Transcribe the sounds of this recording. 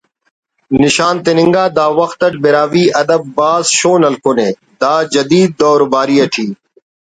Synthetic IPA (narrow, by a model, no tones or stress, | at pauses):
nɪʃaːnt̪ɪnɪ̃ŋɡaːd̪aːʋɐxt̪əʈ̚bɪɾaːʋiːʔɐd̪əbːaːzʃoːnɐlkʰoːnẽː | d̪aːd͡ʒɐd̪iːd̪̚ːɔːɾbaːɾiːɐʈʰiː